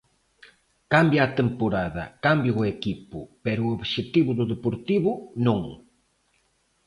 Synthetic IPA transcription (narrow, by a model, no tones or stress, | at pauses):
kambjaːt̪empoɾaðɐ̰kambjʊʊekipʊpɛɾʊoβʃet̪iβʊðʊðepoɾt̪iβʊnõŋ